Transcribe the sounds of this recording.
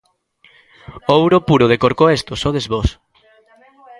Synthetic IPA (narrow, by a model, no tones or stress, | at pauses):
owɾopuɾoð̞ekoɾkoest̪osoðezβos